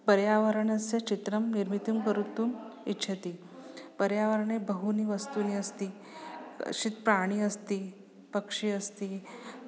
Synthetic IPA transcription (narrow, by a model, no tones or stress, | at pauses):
pəɾjaʋəɾəɳəset͡ɕit̪ɾəmniɾmit̪umkəɾut̪uːnitːɕʰət̪iː | pəɾjaʋəɾɳ̃ebəɦuniːʋəst̪uniːəst̪ḭː | ɕiːt̪̚pɾaɽ̃iːəst̪iː | pəkʂiːəst̪iː